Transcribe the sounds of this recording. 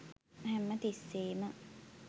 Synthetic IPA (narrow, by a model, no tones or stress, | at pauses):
hɛmːət̪isːeːmə